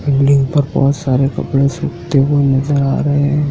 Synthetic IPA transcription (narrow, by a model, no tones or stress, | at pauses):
belɖɪ̃ŋɡpɐɾbɔ̰ːt̪saːɾekɐpɽesuːkt̪eʋonɐzəɾaːɾɐɦeɛ̃